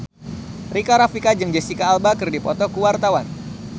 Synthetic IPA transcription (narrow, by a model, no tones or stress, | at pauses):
rikaɾafikad͡ʒɨŋd͡ʒɛsikaːlbakɨrdipɔt̪ɔkuwart̪awan